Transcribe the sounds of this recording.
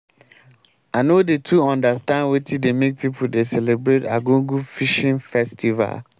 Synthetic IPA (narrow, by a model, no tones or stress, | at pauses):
anodetʰuɔ̃ndastãndwetʰidemek̚pʰipʰudesɛlebɹeta̰ɡũɡufiʃĩnfɛstʰiva̰l